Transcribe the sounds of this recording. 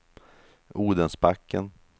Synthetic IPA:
uːd̪ənsbakːən

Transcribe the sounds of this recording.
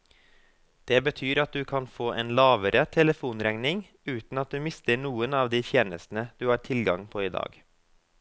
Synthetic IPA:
d̪̥ɛbət̪ʰyːɾɑt̪̚d̪ʉːkʰɑnfoːʔeːnlɑːʋəɾət̪ʰɛləfuːnɾæŋnɪŋ | ʉːt̪n̩ɑt̪̚d̪ʉːmɪst̪əɳuːənɑːʋd̪iːt̪ʰjeːnəst̪n̩əd̪̥ʉːhɑːɾʈʰɪlɡɑ̰ŋpʰoːɪd̪ɑ̰ːɡ

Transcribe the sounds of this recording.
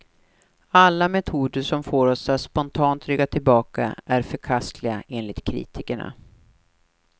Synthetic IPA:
alːamɛt̪ʰuːd̪əʂɔmfoːɾɔsat̪spɔnt̪ʰɑːnt̪ɾʏɡːat̪ʰɪlbɑːka̰ʔæɾfœɾkʰast̪ʰlɪɡa̰ʔeːnlɪt̪kʰɾḭːt̪ʰɪkəɳa̰

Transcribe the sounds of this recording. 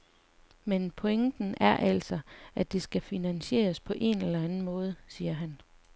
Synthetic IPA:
menpʰɔeŋd̥n̩æɐʔæl̰sɒʔæd̥e̝sɡ̥æfinænɕe̝̰ːɐspʰɒ̽ʔe̝nelɐænn̩mɔ̽ːð̞ˠsiːɐɦæn

